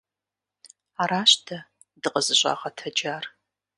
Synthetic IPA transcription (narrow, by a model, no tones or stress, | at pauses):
aːɾaːɕtʰɐ | dɨqʼəzɨɕʷʼa̰ːʁɐtʰɐd͡ʒaːr